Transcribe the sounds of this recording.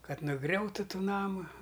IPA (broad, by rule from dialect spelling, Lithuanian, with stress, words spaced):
ˈkɐt nʊˈɡrʲɛʊtʊ ˈtuː ˈnɑːmʊ